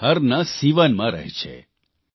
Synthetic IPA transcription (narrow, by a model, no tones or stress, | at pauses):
ɦəɾnasiʋanmãɾə̰ɦet͡ʃʰḛ